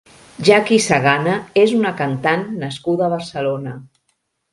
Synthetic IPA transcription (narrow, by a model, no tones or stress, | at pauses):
ʒakisaɣanəezunəkant̪anːəskuðəβ̞ərsəlonə